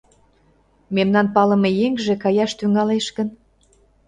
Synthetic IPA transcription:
memnɑnpɑlə̆mejeŋʒĕkɑjɑʃt̪yŋɑleʃkən

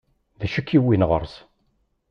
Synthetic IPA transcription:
ðæʃəkʰːiwinʁə̰ɾˤs

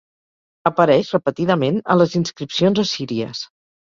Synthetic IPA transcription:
əpəɾɛʃrəpət̪iðəmenə̰ləzinskɾipsionzəsiɾiə̰s

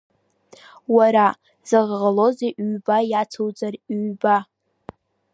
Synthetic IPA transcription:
waɾa | z̥aʁʁalo̞zeʔɥbajat͡sʰowd͡zarɥba

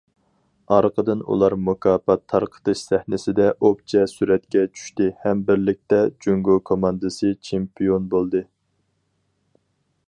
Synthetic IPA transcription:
ɑɾqʰəd̪ɨnṵlˠɑɾmukʰɑːpɑt̪ʰːɑɾqʰə̥t̪ɨʃsɛhnɪsɪd̪ɛʔop̚t͡ʃʰɛsyɾɛt̪kʲɛt͡ʃʰy̥ʃt̪ɪhɛmbɪɾlɪk̚ʲt̪ɛd͡ʒyŋɡokʰomɑnd̪ɨsɨt͡ʃʰempijonbolˠd̪ɨ

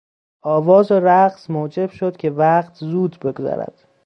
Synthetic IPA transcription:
ʔɒːvɒːzoɾæɢsmoːd͡ʒe̞b̥ʃo̞d̪̥cʲʰe̞væqt̪ʰzuːd̪be̞ɡzɒ̰ɾæ̰d̪̥

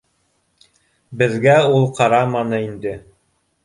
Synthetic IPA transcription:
bɘ̆ðɡæulˠqɑɾɑmɑnɤind̪ɘ

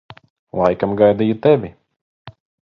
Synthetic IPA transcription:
lˠajkamɡajd̪ijut̪ɛvʲi

